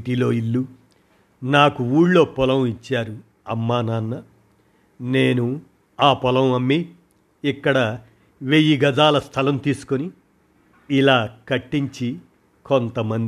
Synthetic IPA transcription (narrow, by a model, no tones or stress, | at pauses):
ʈiːlo̞ːilːu | naːkuuːɽlo̞ːpɔlɐwit͡ʃːaːɾu | ɐmːaːnaːnːɐ | ne̞ːnu | aːpɔlɐmɐmːiː | kːɐɽɐ | ʋejiɡɐd͡ʒaːlɐst̪ʰɐlɐmt̪iːsu̥koni | ilaːkɐʈːiɲt͡ʃi | kont̪ɐmɐnd̪i